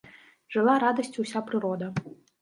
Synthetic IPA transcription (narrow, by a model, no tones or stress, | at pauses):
ʐ̥ɨlˠaɾad̪ɐsʲtʲusʲapɾɨɾɔd̪ɐ